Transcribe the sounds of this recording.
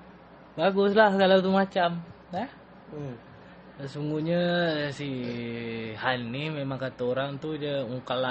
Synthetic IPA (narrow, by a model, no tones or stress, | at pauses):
baɡʊslahkalawt̪umat͡ʃam | ɛh | əsuŋɡuɲəsi | hanihmemaŋkat̪əoɾaŋt̪ud͡ʒəuŋkala